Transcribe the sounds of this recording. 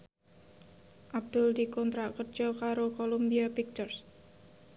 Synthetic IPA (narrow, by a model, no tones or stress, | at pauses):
ʔab̚d̪̥ʊld̪ikɔnt̪ɾakərd͡ʒ̥ɔkaɾokolombiapik̚t̪ɔrs